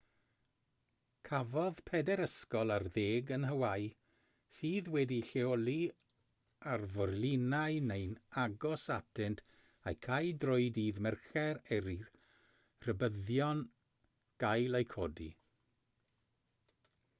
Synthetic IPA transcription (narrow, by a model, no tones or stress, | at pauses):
kʰavɔðpʰɛdɛɾəskɔlˠarðeːɡənɦəwaj | siːðwɛdiɬeɔlˠi | arvɔrlɪnaɨnejnaɡɔsatʰɪntʰ | a̰jkʰajdrɔɨdiːðmɛrχɛɾɛɾi | r̥əbəðjɔn | ɡ̥ajlˠejkʰodḭ